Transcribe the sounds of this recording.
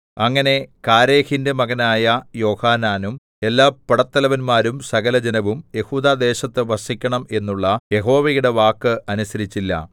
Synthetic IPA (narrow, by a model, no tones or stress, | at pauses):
ɐŋːɐne̞kaːɾe̞ːhindemɐɣɐnaːjɐjo̞ːhaːnaːnum | e̞lːaːpːɐɽɐt̪ːɐlɐʋɐnmaːɾumsɐɣɐlɐd͡ʑɐnɐʋumje̞huːd̪aːd̪e̞ːɕɐt̪ːɨʋɐsikʲːɐɳɐme̞nːuɭːɐje̞ɦo̞ːʋejuɽe̞ʋaːkːɨʔɐnusɐɾit͡ɕːilːɐ̰